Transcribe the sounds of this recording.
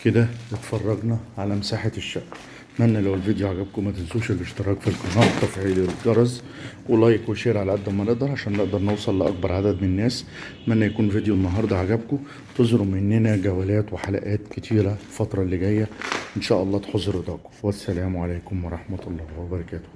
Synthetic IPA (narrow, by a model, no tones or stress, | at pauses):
ked̪ælet̪fɑrˤːɑɡnɑʕalæmesaːħaʃːæʔ | mænːælæwelvid̪joʕaɡæb̚komæt̪ensuːʃeleʃt̪eɾˤɑːɡfilqɑnɑːt̪ˤːɑfiʕilelɡɑɾˤɑz | welɑːjekuʃeːʔɾʕalæʔæd̪ːæwmæneʔd̪ɑɾˤʕaʃæːnːeʔd̪ɑɾˤnewsˤɑlːʔɑ̰k̚bɑɾˤʕad̪æd̪menenːæːs | mænːæjækuːnvid̪jonːɑɦɑːɾˤd̪ˤɑʕaɡæbko | t̪ezɾomenːenæɡæwælæːt̪weħalæ̰ʔæːt̪ket̪ʰiːɾæfɑt̪ɾˤɑlːiɡæjːæʔenʃæːʔɑlˤːɑːt̪ħozːɾed̪ˤɑːʔko̥wæsːælæːmʕalæːkomwɑɾˤɑħmæt̪ɑlˤːɑːwebɑɾˤɑkæːt̪o̥